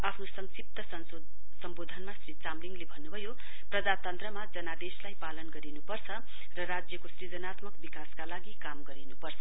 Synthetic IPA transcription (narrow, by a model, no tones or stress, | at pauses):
apʰnosʌŋsip̚t̪ʌsʌn | sʌmbod̪ʱʌnmasrit͡samliŋlebʱʌnːubʱʌjo | prʌd͡zat̪ʌnt̪rʌmad͡zʌnad̪eslajpalʌnɡʌɾinupʌrt͡sʰʌ | rʌrad͡zjʌkosrid͡zʌnat̪mʌkbikaskalaɡikamɡʌɾinupʌrt͡sʰʌ